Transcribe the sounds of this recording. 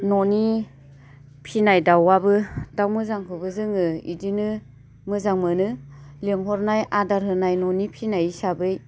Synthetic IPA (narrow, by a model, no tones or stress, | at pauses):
nɔni | pʰinajdawːabɯdawmɯzaŋkʰɯbɯzɯŋɯḭdinɯ | mɯzaŋmɯnɯleŋɦɔɾnajadaɾɦɯnajnɔnipʰinajisabɯj